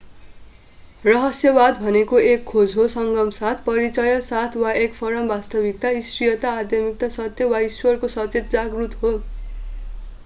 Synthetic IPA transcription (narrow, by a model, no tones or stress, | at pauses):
rʌɦʌsjʌbad̪bʱʌnekoekʰːod͡zɦosʌŋɡʌmsat̪ʰpʌɾit͡sʌjʌsat̪ʰwaʔekpʰʌɾʌmbast̪ʌbik̚t̪aist̪rijʌt̪aːd̪ʱjʌmik̚t̪asʌt̪jʌwaiswʌrkosʌt͡set̪̚d͡zaɡrut̪ɦo